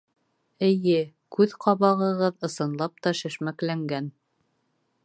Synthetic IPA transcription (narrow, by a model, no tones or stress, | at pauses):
ɘ̆jɘ | kʉðqɑβɑʁɤ̆ʁɤðɤ̆sɤ̆nlˠɑp̚t̪ɑʃɘ̆ʃmæklæŋɡæn